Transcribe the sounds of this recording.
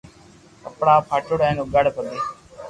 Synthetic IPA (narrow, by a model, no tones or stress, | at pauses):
əpɽaːpʰaʈʊɽɛːnũːɡəɽpəd̪eː